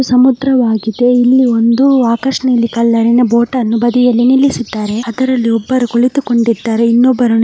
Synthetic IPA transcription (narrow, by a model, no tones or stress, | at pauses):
usɐmud̪ɾɐʋaːɡid̪e̞ilːio̞nd̪uaːkɐʂɐnɐilːikɐlːɐɾinɐboːʈɐnːubɐd̪ijɐlːinilːisid̪ːaːɾe̞ɐd̪ɐɾɐlːiɔbːɐɾukuɭit̪uko̞ɳɖid̪ːaːɾe̞inːobːɐɾɐnu